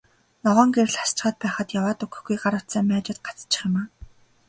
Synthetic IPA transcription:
nɔʁɔːŋɡeɾɘ̆ɮast͡ɕχaːt̪̚pæːχə̆t̪jawaːt̪ɵkɵ̆xɡujɢaɾə̥̆t̪sæːmʲaːt͡ɕɪ̆t̪̚ɢḁt͡st͡ɕɪ̥̆χɪ̆maː

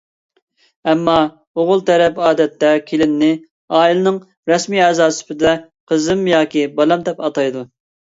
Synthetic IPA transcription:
ɛmːɑ | oʁʊlˠt̪ʰɛɾɛpɑːd̪ɛt̪ːɛkʲʰelɪnːɪ | ɑːilɨnɨŋ | ɾɛsmiɛːzɑːsy̥pɪd̪ɛ | qʰəzɨmjɑːkʲibɑlˠɛmd̪ɛpɑt̪ɑjd̪u

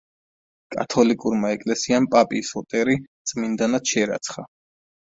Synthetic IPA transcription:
kʼa̰t̪ʰɔlikʼuɾmaɛkʼlɛsiampʼapʼisɔt̪ʼɛɾit̪sʼmind̪anat̪ʃɛɾa̰t̪sʰχa

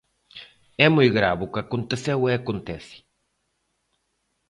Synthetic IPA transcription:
ɛmujɣɾa̰βukakont̪eθeweakont̪ɛsi̥

